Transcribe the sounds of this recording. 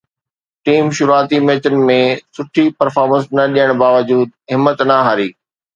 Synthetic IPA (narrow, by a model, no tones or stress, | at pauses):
ʈiːmʃʊɾuaːt̪imɛːt͡ɕənɪ̆mẽsʊʈʰipɐɾfaːɾmə̃nsnɐɗiːəɽ̃baːʋəd͡ʑuːd̪ɦɪmːət̪nɐɦaːɾiː